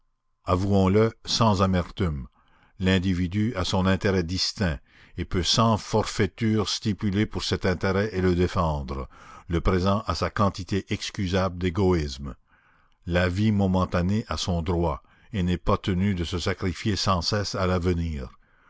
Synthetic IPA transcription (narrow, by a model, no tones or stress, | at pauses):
avuɔ̃ləsɑ̃zamɛʁt̪ym | lɛ̃d̪ivid̪yasɔ̃nɛ̃t̪eʁɛd̪ist̪ɛ̃ | epøsɑ̃fɔʁfet̪yːʁst̪ipylepuʁsɛt̪ɛ̃t̪eʁɛʔeləd̪efɑ̃d̪ʁələpʁezɑ̃ʔasakɑ̃t̪it̪eʔɛkskʲyzabld̪eɡɔism | lavimɔmɑ̃t̪aneʔasɔ̃d̪ʁwa | enɛpat̪ənyd̪əsəsakʁifjesɑ̃sɛsalavəniːʁ